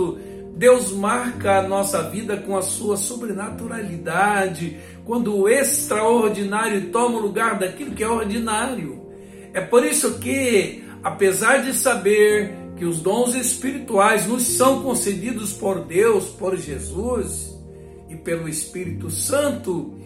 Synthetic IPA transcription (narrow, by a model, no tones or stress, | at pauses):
ʊ | d̪ewzmaɾkɐːnɔsɐvid̪ɐkõɐsuɐsubɾenat̪uɾalid̪ad͡ʒɪ | kwɐ̃nd̪ʊːest̪ɾaoɾd͡ʒinaɾjʊt̪õmɐʊluɡaɾd̪akilʊkɪɛoɾd͡ʒinaɾjʊ | ɛpoɾisʊkɪ | apezaɾd͡ʒɪsabeɾkɪʊzd̪õw̃zespiɾit̪uajznʊssɐ̃w̃kõsed͡ʒid̪ʊspoɾd̪ewspoɾʒezuz | ɪpelʊespiɾit̪ʊsɐ̃nt̪ʊ